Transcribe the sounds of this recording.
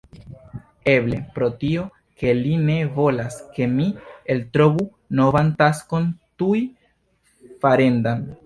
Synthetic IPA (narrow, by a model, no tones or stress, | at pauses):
e̞ble̞pɾo̞tio̞ | ke̞line̞vo̞laske̞mieltɾo̞vu | no̞vantasko̞ntuj | faɾe̞ndan